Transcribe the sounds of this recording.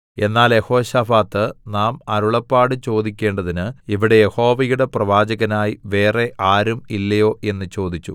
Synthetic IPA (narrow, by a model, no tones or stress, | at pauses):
e̞nːaːljeho̞ːɕafaːt̪ːɨnaːmɐɾuɭɐpːaːɽɨt͡ɕo̞ːd̪ikʲːe̞ːɳɖɐðinɨiʋiɽe̞jeho̞ːʋɐjuɽe̞prɐʋaːd͡ʑɐɣɐnaːjiʋe̞ːre̞ʔaːɾumilːɐjo̞ːʔe̞nːɨt͡ɕo̞ːd̪it͡ɕːṵ